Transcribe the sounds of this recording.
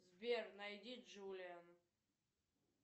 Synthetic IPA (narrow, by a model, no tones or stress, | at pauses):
zbʲernɐjdʲid͡ʒulʲɪan